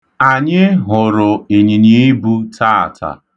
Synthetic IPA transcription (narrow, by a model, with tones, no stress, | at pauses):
a˨ɲɪ˦ɦʊ˨ɾʊ˨i˨ɲi˨ɲi˦bu˦tʰaː˦˨tʰa̰˨